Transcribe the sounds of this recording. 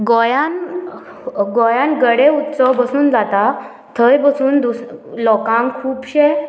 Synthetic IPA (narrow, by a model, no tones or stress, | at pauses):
ɡɔjãn | ɡɔjãnɡəɽeut̪səwbəsuːnd͡zat̪a | t̪ʰəjbəsuːnd̪uslɔkãŋkʰuːpɕɛ